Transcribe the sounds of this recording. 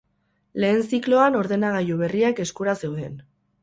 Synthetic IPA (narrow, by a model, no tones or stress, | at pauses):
le̞ːnsiklo̞ano̞ɾðe̞naɣ̞ajuβ̞e̞riake̞skuɾase̞wðe̞n